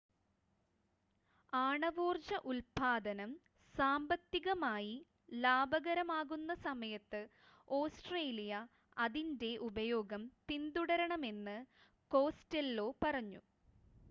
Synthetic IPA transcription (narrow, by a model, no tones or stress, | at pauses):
aːɳɐʋoːrd͡ʑɐʔulpaːd̪ɐnɐm | saːmbɐt̪ːiɣɐmaːji | laːbɐɣɐɾɐmaːɣunːɐsɐmɐjɐt̪ːɨ | o̞ːsʈreːlijɐ | ɐðinde̞ʔubɐjo̞ːɡɐmtind̪uɽɐɾɐɳɐme̞nːɨ | ko̞ːstelːo̞ːpɐrɐɲːṵ